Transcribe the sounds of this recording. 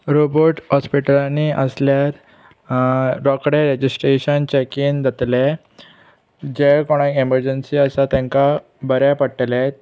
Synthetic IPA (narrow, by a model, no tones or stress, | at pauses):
ɾobəɾʈhɔspiʈəlaniʔəsljaɾ | ɾɔkɽeɾed͡ʑisʈɾeɕənt͡ɕɛkiːnd̪ʱət̪le | d͡ʑekɔɽ̃ãkeməɾd͡ʑənsiəsat̪ɛ̃ŋka | bəɾapəʈle